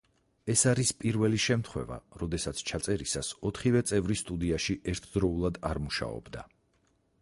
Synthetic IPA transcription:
ɛsaɾispʼiɾvɛliʃɛmt̪ʰχwɛva̰ɾɔd̪ɛsat̪sʰt͡ʃʰat̪sʼɛɾisasɔt̪ʰχivɛt̪sʼɛvɾist̪ʼud̪iaʃiʔɛɾt̪ʰd̪ɾɔulˠad̪aɾmuʃa̰ɔ̰bd̪a̰

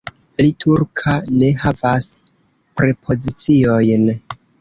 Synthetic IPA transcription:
litʰuɾkʰane̞ɦavas | pɾe̞pʰo̞zit͡sio̞jn

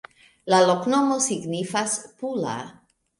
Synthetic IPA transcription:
lalokno̞mosiɡnifaspula̰

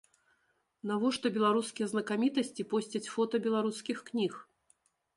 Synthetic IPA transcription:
navɔʂt̪ɔbʲɛlˠaɾuskʲijɐznɐkamʲit̪ɐsʲt͡sʲipɔsʲt͡sʲɐt͡sʲfɔt̪ɐbʲɛlˠaɾuskʲixknʲix

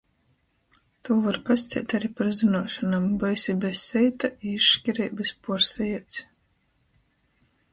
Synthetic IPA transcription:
t̪uːvaɾkast̪sʲḭːt̪ʲaɾipaɾzinuɔʃɔnambɔjsibɛsːɛjt̪aiiʃʃkʲiɾɛːbɨspuɔɾsɛjɛt̪s

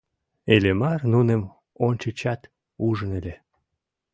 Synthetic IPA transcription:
elʲemɑrnunem | onʲt͡ɕət͡ɕɑt̪ | uʒənelʲe

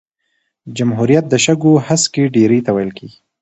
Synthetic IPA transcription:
d͡ʒamɦuɾijat̪̚d̪əʃaɡohaskeɖeɾejt̪awajəlkeɡi

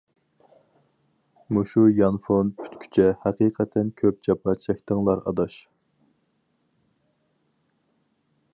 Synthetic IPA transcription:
muʃujɑnfonpʰy̥t̪kʲʰy̥t͡ʃʰɛhæqiːqʰɛt̪ʰːɛnkʲʰøp̚t͡ʃɑpʰɑt͡ʃʰɛkʲt̪əŋlˠɑɾɑ̰d̪ɑʃ

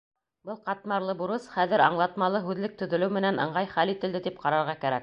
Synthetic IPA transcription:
bɤlˠqɑt̪mɑɾlˠɤbuɾɤsχæðɘɾɑ̰ɴlˠɑt̪mɑlˠɤɦʉðlɘk̚t̪ɵ̆ðɵ̆lɘwmɘ̆nænɤ̆ɴʁɑjχælit̪ɘ̆ld̪ɘt̪ip̚qɑɾɑɾʁɑkæɾæ̰k̚

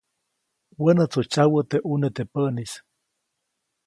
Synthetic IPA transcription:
wənət͡sot͡ʃawət̪eʔunet̪epəʔnis

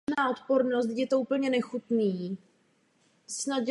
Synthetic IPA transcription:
naːʔo̞t̪poɾnost̪jɛt̪oʔuːpl̩ɲɛnɛxut̪niː | snat̪j

